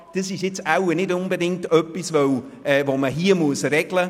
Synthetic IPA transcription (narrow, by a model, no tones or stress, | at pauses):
d̥əsɪʃjɪt͡sawnɪdʊnbədɪŋ̚tœpːisvow | ɛːvoːməɦiːəmuəsɾɛɡ̥lə